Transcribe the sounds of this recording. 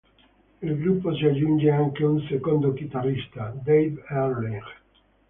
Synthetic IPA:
ilɡɾupːosiad͡ʒund͡ʒeaŋkeunsekond̪okit̪arːist̪ad̪ejbɛɾleɡ

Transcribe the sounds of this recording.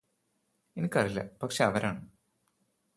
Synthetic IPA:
enikʲːɐrilːɐ̰pɐkʂe̞ɐʋɐɾaːɳɨ

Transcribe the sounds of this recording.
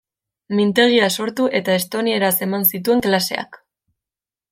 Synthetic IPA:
mint̪e̞ɣiaso̞ɾt̪uʔe̞t̪ae̞st̪o̞nie̞ɾase̞mansit̪ue̞ŋklase̞̰a̰k

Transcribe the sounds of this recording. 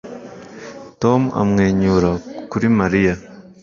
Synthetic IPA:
to̞ma̰mŋe̞ːɲuːɾakuɾimaɾija

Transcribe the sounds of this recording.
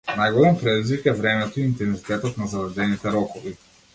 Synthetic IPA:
najɡɔlɛmpɾɛd̪izvikɛvɾɛmɛt̪ɔiint̪ɛnzit̪ɛt̪ɔt̪nazavɾd̪ɛnit̪ɛɾɔkɔvi

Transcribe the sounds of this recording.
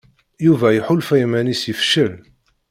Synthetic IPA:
juvæjħulfæjmænisəfʃəl

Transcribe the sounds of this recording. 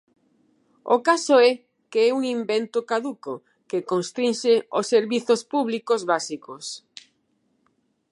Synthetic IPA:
o̰kasʊɛ | keɛuŋimbɛnt̪ʊkaðuko | kɪkoŋst̪ɾĩnʃɪosːeɾβiθospuβlikozβasikos

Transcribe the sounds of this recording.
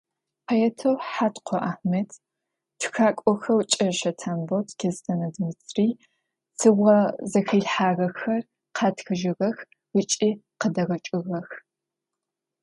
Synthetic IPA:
pʰɐjɛtʰɐwħaːtqʷʰɔʔaːħmetʰ | tʰʷxaːkʷʼɔxɐwt͡ʃʼɐʃɐtʰaːmbotʰkʰeztʰɐnɐdɨmɨt͡sʰriː | sʰɨʁɐzɐxɐɮħaːɣɐxɐr | qʰɑːtʰxɨʒɪɣɐx | ɨt͡ʃʼiːqədɐɣɐt͡ʃʼɨɣɐx

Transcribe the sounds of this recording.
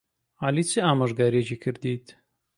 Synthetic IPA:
aːlit͡sʰɨaːmɐʒɡaːɾet͡ʃiːkʰɨɾd̪iːt̪

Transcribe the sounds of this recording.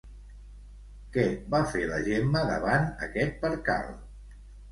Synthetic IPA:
kɛbafeləʒemːəðə̰βanəkɛt̪̚pəɾka̰lˠ

